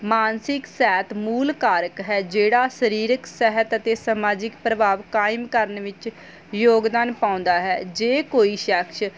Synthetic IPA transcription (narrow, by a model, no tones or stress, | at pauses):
maːnsɪksɛːt̪muːlkaːɾəkɦɛːd͡ʒeːɽaːsəɾiːɾəksɛɦət̪ət̪eːsəmaːd͡ʒɪkpɾəbaːʋkaːɪmkəɾənʋɪt͡ʃ | joːɡd̪aːnpãːʊ̃nd̪aːɦɛːd͡ʒeːkoːiːʃɛːkʃ